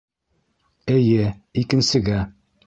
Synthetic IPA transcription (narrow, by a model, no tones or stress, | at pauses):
ɘ̆jɘikɘ̆nsɘ̆ɡæ